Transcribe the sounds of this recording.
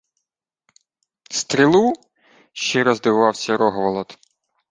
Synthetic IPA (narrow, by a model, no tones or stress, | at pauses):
st̪ɾʲilˠu | ʃt͡ʃiɾɔzd̪ɪʋɑwsʲɐɾɔɦʋɐlˠɔt̪